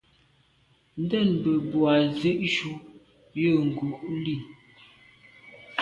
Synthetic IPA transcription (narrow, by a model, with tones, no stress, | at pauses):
n̩˦dɛ˦˨nbə˨bwa˨zʉ˦ʔʃu˦ | jə˦˨ŋ̩˨ɡu˨ʔli˦˨